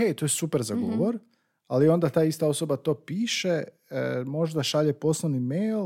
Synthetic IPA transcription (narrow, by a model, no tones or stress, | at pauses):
et̪o̞jesupeɾzaɡo̰ʋo̞ɾ | alio̞nd̪at̪aːist̪ao̞so̞bat̪o̞ːpiːʃe | mo̞ʒd̪aʃaʎepo̞slˠoʋnimejl